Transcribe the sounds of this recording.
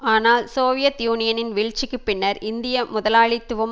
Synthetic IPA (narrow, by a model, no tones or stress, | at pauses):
aːnaːlsoːʋɪjɐt̪juːnɪjɐnɪnʋɪɻt͡ʃːɪkːɯpːɪnːɐɾɪnd̪ɪjɐmʊðɐlaːɭit̪ːɯʋɯm